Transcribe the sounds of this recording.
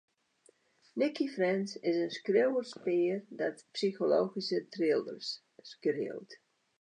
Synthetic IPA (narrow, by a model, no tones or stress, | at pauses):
nɪkʰifrɛnsɪsənskrewərspɪːərdɔtpsixolo̰ːxisətrɪlˠdə̰rsː | krɪ̰əlˠt